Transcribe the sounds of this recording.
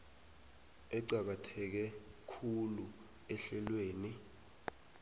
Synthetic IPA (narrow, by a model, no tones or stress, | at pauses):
ɛǀak̬atʰɛk̬ɛkʰulu | ɛɬɛlweːni